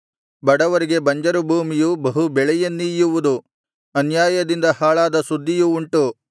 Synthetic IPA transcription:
bɐɽɐʋɐɾiɡe̞bɐɲd͡ʒɐɾubʱuːmijubɐɦubɛɭɛjɐnːijuʋud̪u | ɐnjaːjɐd̪ind̪ɐhaːɭaːd̪ɐsud̪ʱːijuːɳʈu

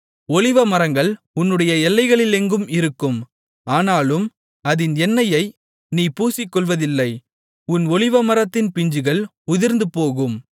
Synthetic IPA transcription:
ɔɭɪʋɐmɐɾɐŋɡɐɭ | ʊnːɯɽɐjɐɛlːɐɪɣɐɭɪlɛŋɡɯmɪɾɯkːɯm | aːnaːlɯm | ɐðɪnɛnːɐjɐɪ | niːpuːsɪkːɔɭʋɐðɪlːɐɪ | ʊnɔɭɪʋɐmɐɾɐt̪ːɪnpɪɲd͡ʒɯɣɐɭ | ʊðɪɾnd̪ɯpoːɣɯm

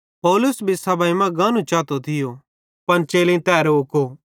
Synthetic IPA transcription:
pɔːlʊsbʱisɐbaːimãɡãːnũt͡ʃaːt̪ot̪ʰɪjo | pɐnt͡ʃeːlĩt̪ɛːɾʊkoː

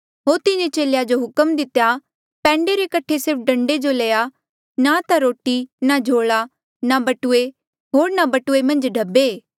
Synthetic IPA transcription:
ɦoːɾt̪ɪnẽt͡ʃeːljad͡ʒoɦʊkəmd̪ɪt̪ːja | pɛ̃ːɳɖeɾekɐʈʰesɪɾp̚ʰɖɐ̃ɳɖed͡ʒoleːja | nat̪aɾoːʈinad͡ʒʱoːɭa | nabɐʈʊe | ɦoːɾnabɐʈʊemɐ̃nd͡ʒɖʱɐbːeː

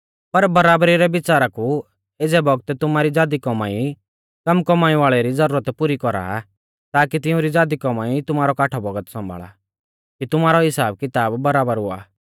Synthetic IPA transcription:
pɐɾbɐɾaːbɾiɾɛbɪt͡ʃaːɾaku | eːd͡zɛbɔɡt̪ɛt̪ʊmaːɾid͡zaːd̪ikɔmai | kɐmkɔmaːiʋaːɭɛɾid͡zɐɾuːɾət̪pʊɾikɔɾa̰ | t̪aːkit̪ɪũɾid͡zaːd̪ikɔmaːit̪ʊmaːɾɔkaːʈʰɔbɐɡət̪sɐ̃mbʱa̰ːɭa̰ | kit̪ʊmaːɾɔɦɪsaːb̚kɪt̪aːbːɐɾaːbəɾɦʊa̰ː

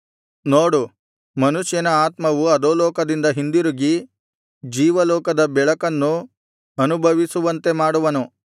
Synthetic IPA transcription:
noːɽu | mɐnuʃjɐnɐaːt̪mɐʋuɐd̪oːlɔːkɐd̪ind̪ɐɦind̪iɾuɡi | d͡ʒiːʋɐlɔːkɐd̪ɐbɛɭɐkɐnːu | ɐnubʱɐʋisuʋɐnt̪e̞maːɽuʋɐnu

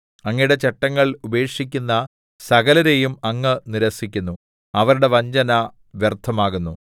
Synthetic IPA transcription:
ɐŋːɐjɽe̞t͡ɕeʈːɐŋːɐɭube̞ːkʂikʲːunːɐ | sɐɣɐlɐɾe̞jumɐŋːɨniɾɐsikʲːunːu | ɐʋɐɾuɽe̞ʋɐɲd͡ʑɐnɐ | ʋjert̪ʰːɐmaːɣunːu

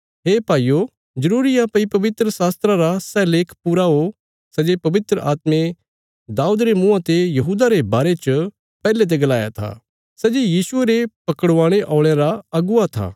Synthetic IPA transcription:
ɦeːpaːijo | d͡ʒɐɾuːɾɪijãpɐipɐʋɪt̪ɾəsaːst̪ɾãɾasɛleːkʰpuːɾaɦo | sɛːd͡ʒepɐʋɪt̪ɾəʔaːt̪mẽ | d̪aːuːd̪ɾemũãt̪ejɐɦuːd̪aɾebaːɾet͡ʃə | pɛːlet̪̬eɡɐlaːja̰t̪ʰa̰ː | sɛːd͡ʒejiːsʊeɾepɐkəɽʋãːɽ̃eʔɔ̃ːɭ̃eɾaɐɡʊat̪ʰa̰ː

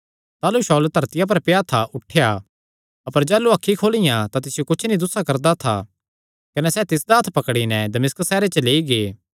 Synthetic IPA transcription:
t̪aːluʃɔːlt̪ɐɾt̪ɪjap̬ɐɾpɪjat̪ʰaʔʊʈʰeja | ɐpəɾd͡ʒɛːluɐkʰːikʰoːlɪjãt̪at̪ɪsɪjokʊt͡ʃʰnid̪ʊsakɐɾd̪at̪ʰa̰ | kɐnɛsɛt̪ɪsd̪aːt̪ʰpɐkɽinɛd̪ɐmɪskəsːɛːɾet͡ʃɐleːiɡeː

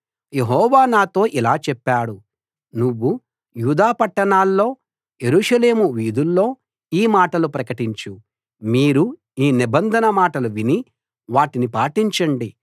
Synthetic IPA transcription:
jeɦɔːʋaːnaːt̪o̞ːʔilaːt͡ʃɛpːaːɽu | nuʋːu | juːd̪aːpɐʈːɐɳaːlːo̞ː | je̞ɾuːʂɐle̞ːmuʋiːd̪ulːo̞ː | iːmaːʈɐlupɾɐkɐʈiɲt͡ʃu | miːɾu | iːnibɐnd̪ʱɐnɐmaːʈɐluʋini | ʋaːʈinipaːʈiɲt͡ʃɐɳɖi

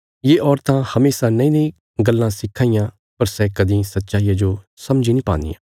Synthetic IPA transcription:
jeːʔɔːɾt̪ãhɐmeːsanɐ̃ĩnɐ̃ĩ | ɡɐlːãsɪkʰːaːijã | pɐɾsɛkɐd̪ĩsɐtːʃaːijad͡ʒo | sɐmd͡ʒinĩpã̰ːnd̪ḭjã̰

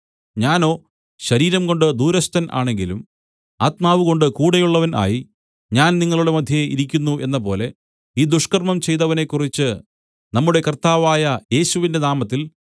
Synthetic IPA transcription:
ɲaːno̞ː | ɕɐɾiːɾɐmko̞ɳɖɨd̪uːɾɐst̪ʰɐnʔa̰ːɳe̞ŋɡilum | aːt̪maːʋuɣo̞ɳɖɨkuːɽɐjuɭːɐʋɐnʔa̰ːji | ɲaːnniŋːɐɭuɽe̞mɐd̪ʱjɐḭɾikʲːunːuʔe̞nːɐpo̞ːle̞ | iːd̪uʂkɐrmɐmt͡ɕe̞jt̪̬ɐʋɐne̞kːurit͡ɕːɨ | nɐmːuɽe̞kɐrt̪aːʋaːjɐje̞ːɕuʋinde̞naːmɐt̪ːil

